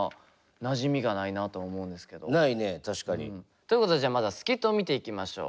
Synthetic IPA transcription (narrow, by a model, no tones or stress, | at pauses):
naʑimʲiɡanainat̪oːmo̞ɯ̃nd̪e̞sɨ̥ke̞d̪o̞nainet̪aɕi̥kaɲḭ̃ | t̪oiɯ̟ko̞t̪od̪eʑaːmad̪asɨ̥kʲit̪ːoːmʲit̪e̞ikʲimaɕo̞̰ː